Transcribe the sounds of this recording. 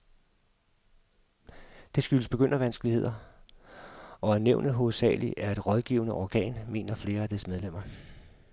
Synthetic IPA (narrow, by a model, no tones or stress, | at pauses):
d̥e̝sɡ̥yləsb̥e̝ɡ̥øn̰ɐʋænsɡ̥əlie̝ð̞̰ˠɐ | ɒ̽æɐneʊnəɦo̝ð̩ˠsɛ̰ːliʔæɐe̝d̥ʁɒ̽ðˠɡ̥ḭːʊnəʔɒːɡ̥ɛ̰ːnme̝ːnɐfle̝ːɐæd̥esmeðˠlem̰ɐ